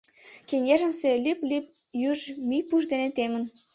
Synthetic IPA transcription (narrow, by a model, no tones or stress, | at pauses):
keŋʲeʒə̆mselyplyp̚ | jyʒmyjpuʒd̪enet̪emə̆n